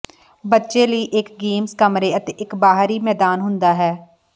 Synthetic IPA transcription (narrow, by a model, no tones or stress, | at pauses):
bətːʃeːləiːʔɪkɡeːmskəmɾeːət̪eːʔɪkbaːɦɾiːmɛːd̪aːnɦʊnd̪aːɦɛː